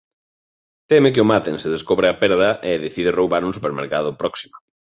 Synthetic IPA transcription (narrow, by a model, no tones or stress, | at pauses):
t̪emɪk̬ɪʊmat̪ẽnsɪðeskoβɾɪapɛɾðɐʔeðeθiðɪrowβaɾũŋsupeɾmeɾkaðʊpɾɔksi̥mʊ